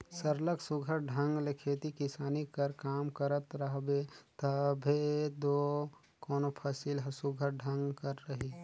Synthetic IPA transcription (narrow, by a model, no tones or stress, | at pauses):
səɾləksʊɡʱəɾɖʱə̃ŋɡlekʰeːt̪ikɪsaːnikɐɾkaːmkəɾət̪ɾəɦbet̪əbʱed̪oː | kɔːnopʰasilɦsuɡʱəɾɖʱɐ̃ŋɡkəɾːɐɦi